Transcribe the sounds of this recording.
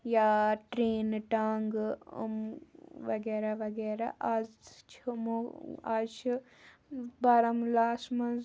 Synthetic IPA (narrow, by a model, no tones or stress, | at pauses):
jaːʈɾeːnʈaːŋɡ̰mʋɐɡeːɾaʋɐɡeːɾa̰ʔazt͡ʃʰumoaːzt͡ʃʰu | bɐɾɐmlaːsmɐns